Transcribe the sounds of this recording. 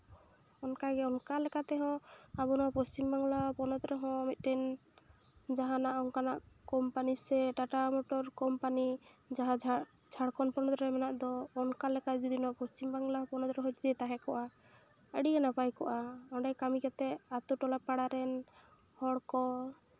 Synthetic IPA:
ɔnkaɡɛɔnkalɛkat̪ɛɦɔ̃abɔnɔpɔst͡ʃimbaŋɡlapɔnɔd̪ɾɛɦɔ̃mit̪̚ˀɾɛn | d͡ʒaɦãnaʔɔŋkanaʔkɔmpanisɛʈaʈamɔʈɔɾkɔmpanid͡ʒaɦãd͡ʒa | d͡ʒʰʱaɽkɔnpɔnɔd̪ɾɛmɛnaʔd̪ɔːnkalɛkad͡ʒɔd̪inɔʔpɔst͡ʃimbaŋɡlapɔnɔd̪ɾɛɦɔjt̪t̪ɛt̪aɦɛkɔʔa | əɽianapajkɔʔaɔɳɖɛjkamikat̪ɛat̪uʈɔlapaɽaɾɛn | hɔɽkɔ

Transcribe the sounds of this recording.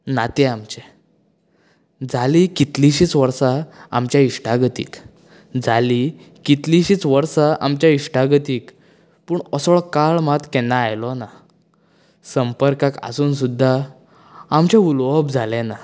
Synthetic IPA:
nat̪ɛamt͡ɕɛ | d͡zaliːkit̪liɕiːt͡sʋəɾsaa̰mt͡ɕjaiʂʈaɡət̪ḭːk | d͡zʱali | kit̪liɕiːt͡sʋəɾsaʔa̰mt͡ɕjaiʂʈaɡət̪iːk | puːɳɔsɔɭkaɭmat̪kɛnːaːjlɔna | səmpəɾkaka̰suːns̬ud̪ʱːaː | mt͡ɕɛ̃ulʋəbd͡zʱalɛna

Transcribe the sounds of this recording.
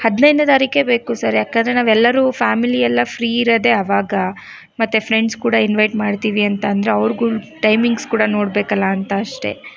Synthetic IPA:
hɐd̪nɐjnut̪ɐɾike̞be̞ːkusɐɾjaːkɐnd̪ɾe̞naːʋɛlːɐɾufaːmiliɛlːɐfʰɾiːiɾɐd̪e̞ɐʋaːɡɐ | mɐt̪ːefɾeɳɖskuːɽɐinʋɐjʈmaːɖt̪iːʋiɐnt̪ɐːnd̪ɐɾeɐʋɾɡuʈɐjmiŋɡskuːɽɐno̞ːɽbeːkɐlːɐːnt̪ɐːʂʈe̞̰

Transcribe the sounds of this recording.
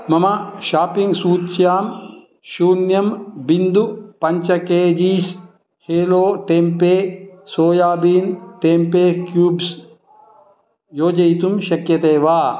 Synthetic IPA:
mɐmɐʃaːpiŋɡsuːt͡ʃjaːm | ʃuːnjɐmbind̪upɐɲt͡ʃɐkeːd͡ʒiːs | heːloːʈeːmpeːsoːjaːbiːnʈeːmpeːkjuːbs | joːd͡ʒɐjt̪umʃɐkjɐt̪eːʋaː

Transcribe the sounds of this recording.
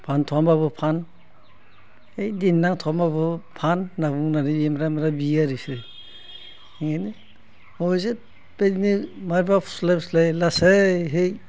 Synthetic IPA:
pʰantʰɔambaβɯpʰan | ejdinːaŋtʰɔamaβɯpʰanːaβuŋnaɾibemɾamɾabiaɾisɯ | ŋeni | ɔze | pednimaɾbapʰslapslajlasejɦej

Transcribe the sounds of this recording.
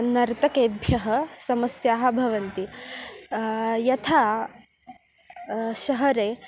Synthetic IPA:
nɐɾt̪ɐkeːbʱjɐɦɐ̆sɐmɐsjaːɦɐ̆bʱɐʋɐnt̪i | jɐt̪ʰaː | ʃɐɦɐɾeː

